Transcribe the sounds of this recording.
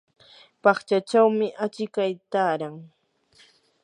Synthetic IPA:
pɑχt͡ʃat͡ʃawmɪʔat͡ʃɪkajt̪aːɾaŋ

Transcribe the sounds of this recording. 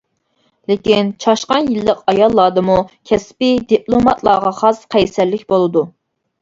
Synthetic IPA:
lekʲint͡ʃʰɑʃqɑnjilːəqɑjɑlˠːɑːd̪ɨmukʲʰɛspɪd̪iplˠomɑt̪ʰlˠɑːʁɑχɑsqʰɛjsɛlːɪkʲbolˠɨd̪u

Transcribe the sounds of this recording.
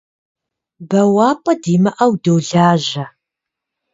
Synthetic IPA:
bɐwaːpʼɐdiːmɐʔɐwdowɮaːʒɐ

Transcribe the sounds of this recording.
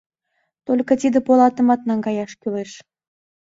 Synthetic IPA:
t̪olʲkɤ̆t̪ʲid̪ĕpolˠɑt̪ə̆mɑt̪̚nɑŋɡɑjɑʃkyleʃ

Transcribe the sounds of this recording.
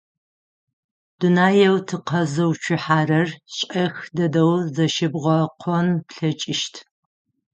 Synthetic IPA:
d̥unaːjɛwtʰɨqʰɐzɐwt͡ʃʷʰɪħaːrɐrɕʼɐxdɐdɐwzɐʃɪbʁʷɐqʷʰɔnpɬɐt͡ʃʼɪʃtʰ

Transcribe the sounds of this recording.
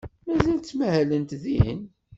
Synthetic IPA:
mæzælt͡sːmæhælənt̪ðin

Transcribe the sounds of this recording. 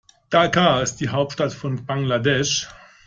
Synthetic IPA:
d̥akaɪst̚d̥iːɦaʊp̚tʃtatfɔnbaŋladɛʃ

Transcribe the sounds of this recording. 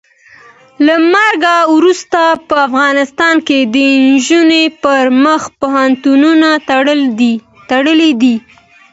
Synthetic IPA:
lamaɾɡawɾust̪apəafɣɑnɪst̪ɑnked̪əɪnʒunepəɾməxpoɦant̪ununaɽ | t̪aɽəled̪i

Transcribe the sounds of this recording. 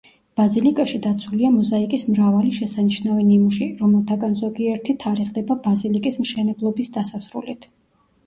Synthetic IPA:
b̥azilikʼaʃid̪at̪sʰuliamɔzaikʼismɾavaliʃɛsaniʃnavɛnimuʃiɾɔmɛlˠt̪ʰaɡanzɔɡiɛɾt̪ʰit̪ʰaɾiʁd̪ɛbabazilikʼismʃɛnɛblˠɔbisd̪asasɾṵlit̪ʰ

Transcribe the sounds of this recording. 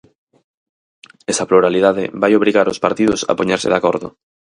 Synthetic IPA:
ɛsɐploɾalið̞aðɪ̰βajoβɾiɣaɾospaɾt̪iðʊsa̰poɲeɾsɪ̰ðakoɾðʊ̰

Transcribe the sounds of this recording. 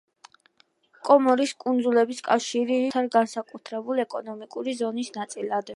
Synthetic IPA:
kʼɔmɔɾiskʼund̪zulɛbiskʼafʃiɾiɾit̪ʰaɾɡansakʼut̪ʰɾɛbulɛkʼɔnɔmikʼuɾizɔnisnat̪sʼilad̪

